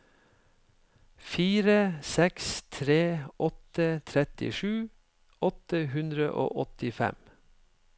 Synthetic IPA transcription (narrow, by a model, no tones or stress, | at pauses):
fiːɾəsɛkst̪ʰɾeːʔɔt̪ət̪ʰɾɛt̪ɪ̰ʃʉː | ʔɔt̪əhʉnd̪ɾə̰ʔo̰ːʔɔt̪ɪfɛ̰m